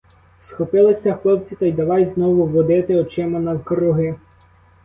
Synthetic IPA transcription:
sxɔpɪlˠɪsʲɐxlˠɔbt͡sʲit̪ɐjd̪ɐʋɑjznɔʋʊʋɔd̪ɪt̪ɪɔt͡ʃɪmɐnɐwkɾʊɦɪ

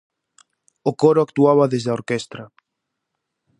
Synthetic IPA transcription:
okɔɾoakt̪uaβaðezðaoɾkɛst̪ɾɐ

